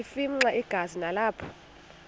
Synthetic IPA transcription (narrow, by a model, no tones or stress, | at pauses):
ifim̩ŋ͡ǀaʔiɡ̥ʱazinalaːpʰɔ̥